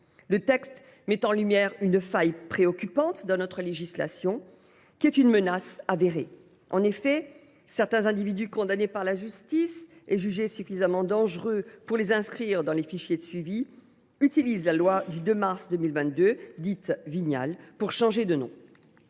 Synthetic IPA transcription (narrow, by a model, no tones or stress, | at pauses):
lət̪ɛkst̪ | mɛt̪ɑ̃lymjɛʁynfajpχeɔkʲypɑ̃t̪d̪ɑ̃nɔt̪χəleʒisla̰sjɔ̃ | kʲiɛt̪ynmənasaveʁe | ʔɑ̰̃nefɛ | sɛʁt̪ɛ̃zɛ̃d̪ivid̪ykɔ̃d̪anepaʁlaʒyst̪iseʒyʒesyfizamɑ̃d̪ɑ̃ʒʁøpuʁlezɛ̃skχiʁd̪ɑ̃lefiʃjed̪əsɥivi | yt̪ilizlalwad̪yd̪ømaʁsd̪ømilvɛ̃t̪̚d̪ød̪it̪viɲa̰lpuʁʃɑ̃ʒed̪ənɔ̰̃